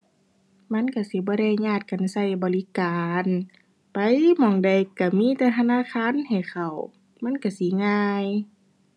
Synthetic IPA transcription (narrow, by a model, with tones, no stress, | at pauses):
ma˧˥˨nka˧˩si˧˦bɔː˧˦ɾa˧˩jɲaː˧˩t̪̚ka˨nsa˧˩jbɔː˨li˧kaː˨n | pa˨jmɔː˧˩ŋda˨˩jka˧˩miː˧˥˨t̪ɛ˧˩t̪ʰa˧naː˧˥˨kʰaː˧˥˨nha˨˩jxa˨˩w | ma˧˥˨nka˧˩si˧˦ŋaː˧˨j